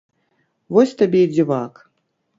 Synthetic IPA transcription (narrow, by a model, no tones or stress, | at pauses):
vɔsʲt̪abʲɛjd͡zʲivak